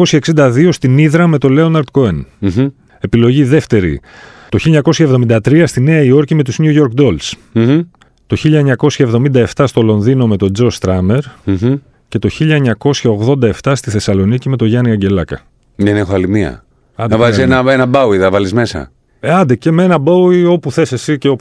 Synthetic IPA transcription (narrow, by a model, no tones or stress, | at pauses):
o̞sçɐeksind̪ɐðio̞st̪iniðɾɐme̞t̪o̞le̞o̞nɐɾd̪̚koen | e̞pilo̞ʝiðe̞ft̪e̞ɾḭ | t̪o̞çiliɲɐko̞sçɐevðo̞mind̪ɐt̪ɾiɐst̪ine̞ɐio̞ɾcime̞t̪uzɲuʝo̞ɾkd̪o̞ls | t̪o̞çiʎɐeɲɐko̞sçɐevðo̞mind̪ɐe̞ft̪ɐst̪o̞lo̞nðino̞me̞t̪o̞d͡zo̞st̪ɾɐme̞ɾ | ce̞t̪o̞çiʎɐeɲɐko̞sçɐo̞ɣðo̞nd̪ɐe̞ft̪ɐst̪iθe̞sɐlo̞nicime̞t̪o̞ʝɐniɐɲɟe̞lɐkɐ | nenexoɐlimiɐ̰ | ɐnd̪ɐvɐlisenɐenɐbɐwiðɐvɐlizme̞sɐ̰ | eɐnd̪ece̞menɐbɐwio̞puθe̞sesiceop